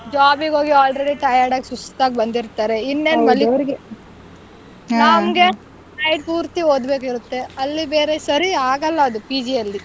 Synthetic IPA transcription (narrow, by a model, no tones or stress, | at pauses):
d͡ʒaːbiɡoːɡiaːlɾeɽiʈɐjaːɾɖaːɡesust̪aːɡebɐnd̪iɾt̪aːɾe̞inːeːnmɐlːiɾɡ | namɡe | nɐjɖpuːɾt̪iɦoːd̪be̞ːkiɾut̪ːe̞ɐlːibeːɾesɐɾiaːɡɐlːɐːd̪upiːd͡ʒiɐlːi